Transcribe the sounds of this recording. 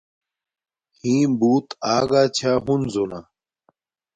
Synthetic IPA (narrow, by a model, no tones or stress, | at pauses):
hĩːbuːt̪aːɡaːt͡ɕʰaːɦunzona